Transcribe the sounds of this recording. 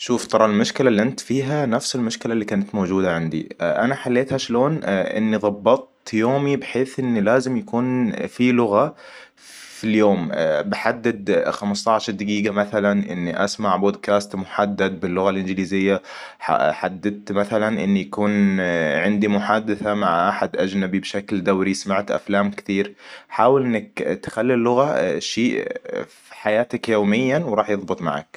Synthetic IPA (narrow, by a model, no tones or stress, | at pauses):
ʃuːft̪ˤɑɾˤɑlmʊʃkɪlalːiʔɪnt̪fiːɦanafsɪlmʊʃkɪlalːiːkaːnat̪mowd͡ʒuːd̪aʕand̪ḭʔanaħalːeːt̪haʃloːnʔɪ̰nːiðˤɑbːɑt̪̚ˤt̪joːmibɪħeːθʔɪnːilaːzɪmjakuːnfilʊɣa | filjoːmbɪħad̪ːad̪xamst̪ɑʕʃɑɾˤd̪aɡiːɡamaθalanʔɪ̰nːiʔa̰smaʕboːd̪kaːst̪mʊħad̪ːad̪̚bɪlːʊɣalʔɪnɡɪliːzɪjːa | a̰ħad̪ːɪd̪̚t̪maθalanʔɪ̰nːijakuːnʕɪnd̪imʊħaːd̪aθamaʕʔaħad̪ʔad͡ʒnabibʃakld̪awɾismaʕt̪ʔa̰flaːmkɪ̥t̪iːɾħaːwɪlʔɪnːakt̪xalːilːʊɣaʃiːʔfi̥ħajaːt̪akjoːmɪjːawɾˤɑːħjɨðˤbɨt̪ˤma̰ʕa̰k